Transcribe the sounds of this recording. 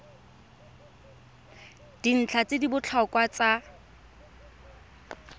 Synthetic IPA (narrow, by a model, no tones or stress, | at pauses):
d̥in̩t͡ɬʰat͡sedibʊt͡ɬʰɔkʼwat͡sa